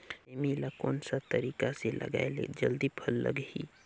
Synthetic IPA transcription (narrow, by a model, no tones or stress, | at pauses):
emilakoːnsat̪əɾiːkaselʔə̰ɡa̰elḛd͡ʒəld̪ipʰəlːə̰ɡhi